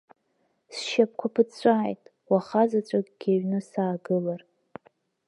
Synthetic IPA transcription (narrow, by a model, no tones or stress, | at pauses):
sʃap̚ʰkʷʰapʰɨt͡st͡ɕʷʼaːjtʼ | waχazat͡ɕʷʼakʼɡ̥ʲaɥnɨsaːɡɨlar